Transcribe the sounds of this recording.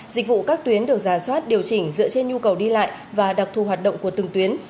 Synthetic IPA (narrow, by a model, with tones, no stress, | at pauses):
zï˨˩k̟̚vṵ˧˨kaː˦˥k̚t̪wi˨˦ənɗɨ˨˩ək̚zaː˧˩swaː˦˥t̚ɗi˨˩əwt͡ɕï˨˩ŋ̟zɨ̰˧˥ət͡ɕe˧nɲu˧kə˨˩wɗi˧la̰ː˧˨jvaː˨˩ɗa˨˩k̚t̪ʰu˨˧˩ɦwaː˨˩t̚ɗə̰˧˨ŋ͡mku˧˩ət̪ɨ˨˩ŋt̪wi˨˦ən